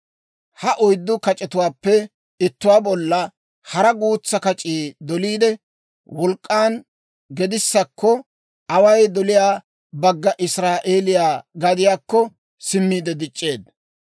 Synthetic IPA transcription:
hɐʔʊjd̪ːʊkɐt͡ʃʼɛt̪ʊwaːpːɛ | ɪt̪ːʊwaːbɔlːɐ | hɐɾɐɡuːt͡sːɐkɐt͡ʃʼiːd̪ɔliːd̪ɛ | wɔlkʼːaːn | ɡɛd̪ɪsːɐkʰːɔ | ʔɐwɐjd̪ɔlɪjaː | bɐɡːɐʔɪsɾaːʔeːlɪjaːɡɐd̪ɪjaːkːɔ | sɪmːiːd̪ɛd̪ɪt͡ʃʼːe̞ːd̪̚

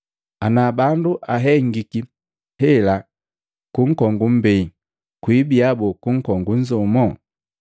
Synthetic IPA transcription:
anabanduʔaɦɛŋɡiki | hɛla | kuŋ̩kɔŋɡumbɛ | kwibiabɔkuŋ̩kɔŋɡunzɔmɔ

